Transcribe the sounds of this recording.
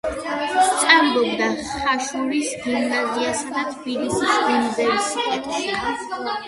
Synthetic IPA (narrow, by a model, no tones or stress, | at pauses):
st̪sʼaɾbɔbd̪aχaʃuɾisɡimnaziasad̪at̪ʰbilisisbɛnb̪ɛɾiskʼɛt̪ʰʃɛa